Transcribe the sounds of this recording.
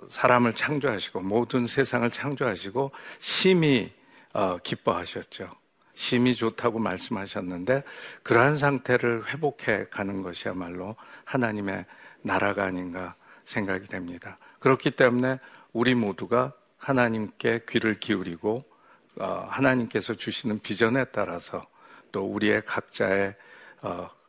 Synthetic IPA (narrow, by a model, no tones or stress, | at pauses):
sʰaɾamɯɭt͡ɕʰaŋd͡ʑoɦaɕʰi̥ɡ̥omodɯnsʰe̞sʰaŋɯɭt͡ɕʰaŋd͡ʑoɦaɕʰiɡoɕʰimi | ʌkip͈ʌɦaɕʰʌt̚t͡ɕ͈o | ɕʰimit͡ɕotʰaɡomaɭs͈ɯmɦaɕʰʌnːɯnde̞kɯɾʌɦans̬ʰaŋtʰe̞ɾɯɭɸwe̞bokʰe̞kanɯnɡʌɕʰia̰maɭːohanaɲime̞naɾaɡaːɲinɡa | sʰe̞ŋɡaɡidwe̞mɲidakɯɾʌkʰit͈e̞mune̞uɾimoduɡa | hanaɲimk͈e̞kɥiɾɯɭkiuɾiɡo | ʌ̰hanaɲimk͈e̞sʰʌt͡ɕuɕʰinɯnpid͡ʑʌne̞t͈a̰ɾasʰʌt͈ouɾie̞kak̚t͡ɕ͈ae̞ʌ